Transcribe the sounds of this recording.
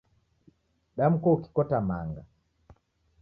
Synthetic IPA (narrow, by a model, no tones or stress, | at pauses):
ɗam̩kɔuki̥kɔtama̰ŋɡa